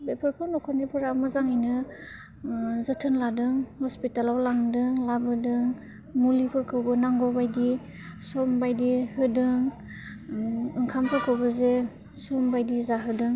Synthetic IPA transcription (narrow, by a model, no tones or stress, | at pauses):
bepʰaɾkʰɯnɔkʰɔnipʰɯɾamazaŋajnɯ | zɯtʰɯnladɯŋhɔspitalawlaŋdɯŋlabɯdɯŋ | mulipʰɯɾkʰɯwbɯnaŋɡɔbajdi | sɔmbajdihɯdɯŋ | ɯŋkʰampʰɯɾkʰɯwbɯze | sɔmbajdizaɦɯdɯŋ